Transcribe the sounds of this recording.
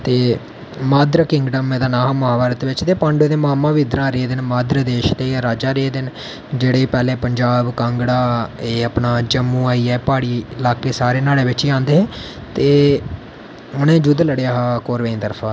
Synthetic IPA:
t̪eː | maːd̪ɾəkɪŋɡɖəmeːd̪aːnaːɦaːmaːʋaɾət̪ʋɪt͡ʃt̪eːpãɳɖod̪emaːmãːʋɪd̪ɾãːɾeːd̪ɪnmaːd̪ɾəd̪eːʃd̪eːaɾaːd͡ʒaːɾeːd̪ɪn | d͡ʒeːɽeːpɛːleːpəɲd͡ʒaːbkãŋɡɽaːeːəpnaːd͡ʒəmːũːaːiːɛːpaːɽiːɪlaːkeːsaːɾeːnaːɽeːʋɪt͡ʃiãːnd̪eːɦɛ̃ː | t̪eː | ʊnẽːd͡ʒʊd̪ləɽeːaːɦaːkoːɾʋẽːĩːt̪əɾpʰaː

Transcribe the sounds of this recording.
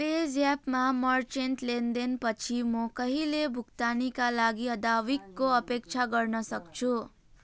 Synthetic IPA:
ped͡zapmamʌrt͡ʃenʈlend̪enpʌt͡sʰimʌkʌɦilebʱukt̪anikalaɡiʌd̪awikːoʌpek̚t͡sʰaɡʌrnʌsʌkt͡sʰu

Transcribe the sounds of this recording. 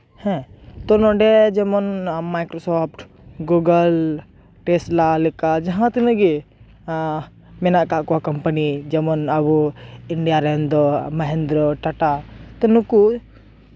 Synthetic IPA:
hɛ̃t̪ɔnɔ̃ɖed͡ʒemɔnmajkɾosɔpʰʈ | ɡuɡəl | ʈeslalikad͡ʒɐɦãt̪inəɡi | mɛnaʔkaʔkuakɐmpənid͡ʒemɔnɐbuiɳɖijaɾend̪ɔmɐɦend̪ɾɔʈɐʈat̪enuku

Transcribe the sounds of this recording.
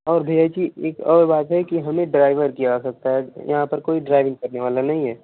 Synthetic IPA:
ɔːɾbʱeːjat͡ʃieːkɔːɾbaːt̪ɦɛkiɦɐmẽɖɾaːɪʋəɾkijad͡ʒasɐk̚t̪aɦɛjɐ̰ɦãpɐɾkoːiɖɾaːɪʋɪ̃ŋɡkɐɾneʋaːlanɐɦĩɦɛː

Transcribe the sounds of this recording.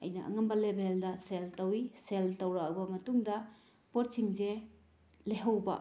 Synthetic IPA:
ɐ̰jnɐʔɐ̰ŋɐmbɐlebʱeldɐseltɐwiseltɐwɾɐɐbɐmɐtuŋdɐ | pott͡ʃiŋze | leɦɐwbɐ̰

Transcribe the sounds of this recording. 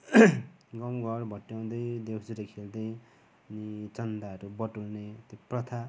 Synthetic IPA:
ɡʌmɡʱʌrbʱʌʈjaw̃d̪ʌjd̪ewd͡zuɾekʰeld̪ʌj | ʌnit͡sʌnd̪aʌɾubʌʈulnet̪joprʌt̪ʰa

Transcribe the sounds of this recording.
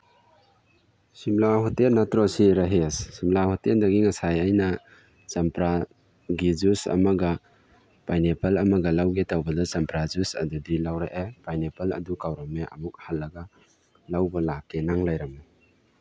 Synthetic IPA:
simlahɔtelnɐtɾɔsiɾɐɦessimlahoteldɐɡiŋɐsajajnɐ | t͡ʃɐmpɾa | ɡizusɐ̰mɐɡɐ | pajnepɐlɐmɐɡɐlawɡetawbɐdɐt͡ʃɐmpɾazusɐ̰dudilawɾeʔepajnepʰɐlɐ̰dukawɾɔmeʔɐ̰muk̚halːɐɡɐ | lawbɐlakːenaŋlajɾɐma

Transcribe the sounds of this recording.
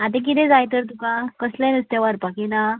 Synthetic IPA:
at̪̬ẽk̬it̪ẽd͡zajt̪əɾt̪̬ũkãkəslẽnəst̪jaʋaɾpakena

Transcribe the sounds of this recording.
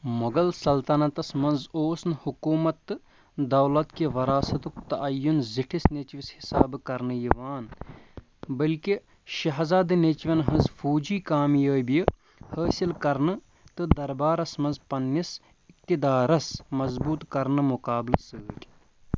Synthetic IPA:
moɡɐlsɐlt̪ɐnɐt̪ɐsmɐnzoːsnɨhukuːmɐt̪ːɨ | d̪ɐwlɐt̪kiʋɐɾaːsɐt̪ukt̪ɐʔɐjːunziʈʰisnet͡ʃʋishisaːbkɐɾnɨjiʋaːn | bɐlki | ʃɐɦzaːd̪ɨnet͡ʃʋʲɐnɦɐnzfʰoːd͡ʒiːkaːmjəːbij | həːsilkɐɾnɨ | t̪ɨd̪ɐɾbaːɾɐsmɐnzpɐnːis | ɪk̚t̪id̪aːɾɐsmɐzbuːt̪kɐɾnɨmʊkaːblɨsəːtʲ

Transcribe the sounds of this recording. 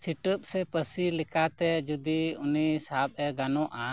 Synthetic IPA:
siʈəp̚sɛpəsilikat̪ɛd͡ʒud̪iunisab̚ɛɡanɔ̃ʔa

